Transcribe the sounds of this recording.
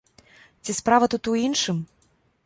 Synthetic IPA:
t͡sʲispɾavɐt̪ut̪uinʂɨm

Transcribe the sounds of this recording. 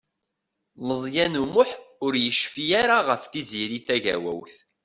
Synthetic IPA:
məzˤjænumʊħʊɾjəʃfijaɾaʁəfθiziɾiθæʝæ̰wæ̰wθ

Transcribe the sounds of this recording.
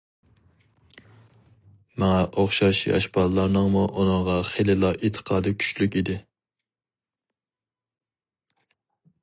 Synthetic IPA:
mɛŋɑʔoχʃɑʃḭɑ̰ʃbɑlˠlˠɑɾnɨŋmuʔunəŋʁɑχelɪlˠɑʔet̪ʰə̥qʰɑːd̪ɨkʲʰy̥ʃlykʲid̪ɪ

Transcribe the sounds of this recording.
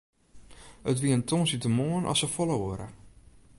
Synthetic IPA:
ətʋiəntʰoːnsitəmoənʔɔ̰səfoləoɾə̰

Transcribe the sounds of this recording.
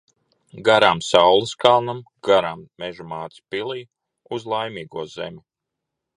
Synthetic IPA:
ɡaɾamsawlˠiskalˠnam | ɡ̥aɾamːeʒumaːt̪spilˠiːj | uzlˠajmiːɡuɔzḛmʲu

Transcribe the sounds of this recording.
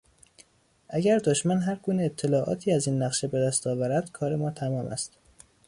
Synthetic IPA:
ʔæɟæɾd̪oʃmænɦæɾɡuːneːt̪ʰːe̞lɒːʔɒ̰ːt̪ʰiːæziːnːæɣʃebe̞d̪æst̪ɒːvæɾæd̪̥kʰɒːɾe̞mɒːt̪ʰæmɒːmʔæ̰st̪

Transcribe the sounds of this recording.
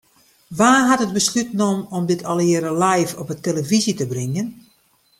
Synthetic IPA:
ʋaːɦatəd̚bəslytnomɔmdɪtʰɔlˠɪəɾəlajfɔpəteləvizitəbrɪŋjən

